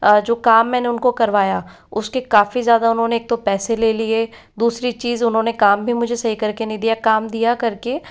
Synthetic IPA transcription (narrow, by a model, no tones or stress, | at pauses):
d͡ʒoːkaːmːɛːneʊnkokɐɾʋaːja | ʊskekaːfizjaːd̪aʊnɦõːneːk̚t̪opɛːseleːlie | d̪uːsɾit͡ʃiːzʊnɦõːnekaːmbʱimʊd͡ʒʱesɐɦikɐɾkenɐɦĩd̪ijakaːmd̪ijakɐɾke